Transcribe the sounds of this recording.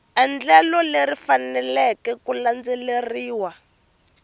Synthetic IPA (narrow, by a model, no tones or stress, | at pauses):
ɛnd͡ɮɛlɔlerifanɛlɛkɛkuland͡zɛleriːwa